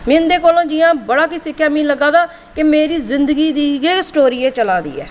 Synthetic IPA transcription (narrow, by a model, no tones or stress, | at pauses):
mĩnd̪eːkoːlãːd͡ʒiːãːbəɽaːkiːsɪkʰːjaːmĩːləɡaːd̪aː | kɪmeːɾiːzɪnd̪əɡiːd̪iːɡesʈoːɾiːeːt͡ʃəlaːd̪ḭːɛ̰ː